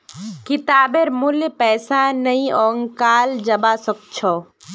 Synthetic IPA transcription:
kɪt̪aːbeɾmuljpɛːsanəĩɔːŋkaːld͡ʒəbasək̚t͡ʃʰɔ

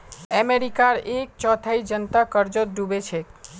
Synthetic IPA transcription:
ɛmeɾikaɾek̚t͡ʃɔt̪ʰaid͡ʒənt̪akəɾd͡ʒot̪̚ɖʱubet͡ʃʰe

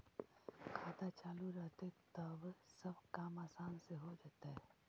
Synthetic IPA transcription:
kʰaːd̪at͡ʃaːluɾəɦt̪et̪ɐbsɐbkaːmaːsaːnseɦod͡ʒaːt̪aɦɛː

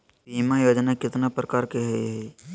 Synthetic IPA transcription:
piːmajoːd͡ʒnakɪt̪napɾəkaːɾkeɦɛiɦɛ

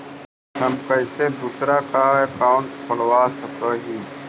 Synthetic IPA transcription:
həmkəɪseːd̪uːsɾaːkaːəkaːʊɳʈpʰəlʋaːsəkoːɦiː

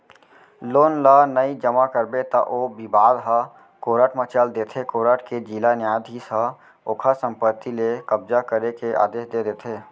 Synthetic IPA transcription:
loːnlanəid͡ʒəmakəɾbet̪aʔoːbibaːd̪ɦa | koːɾaːʈʰmət͡ʃəld̪eːt̪ʰekoːɾəːʈʰked͡ʒilanjaːd̪ʱisa | oːkʰasə̃mpət̪ːilekəbzakəɾekeʔa̰ːd̪eːʃd̪ed̪eːt̪ʰeː

